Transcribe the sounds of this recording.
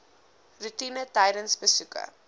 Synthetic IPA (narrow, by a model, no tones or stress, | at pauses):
rutinətɛjdənsbəsukə̰